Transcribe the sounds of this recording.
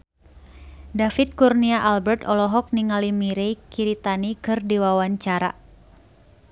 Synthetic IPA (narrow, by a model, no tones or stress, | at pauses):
dafit̪̚kurniaʔalbɛrt̪ɔlɔɦɔk̚niŋalimiɾejkiɾit̪anikɨrdiwawaɲt͡ʃaɾa̰